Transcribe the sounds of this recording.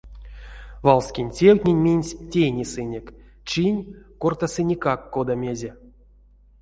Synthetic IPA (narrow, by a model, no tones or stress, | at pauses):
valˠsʲkʲinʲtʲewʲtʲnʲenʲmʲinʲsʲtʲejnʲisɨnʲek | t͡ʃinʲkort̪asɨnʲikakːod̪amʲezʲe